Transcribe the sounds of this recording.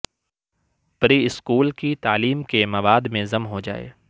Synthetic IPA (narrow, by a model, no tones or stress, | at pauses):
pɾiɪskuːlkit̪aːliːmkemɐʋaːd̪mẽzɐmɦod͡ʒa̰ːḛː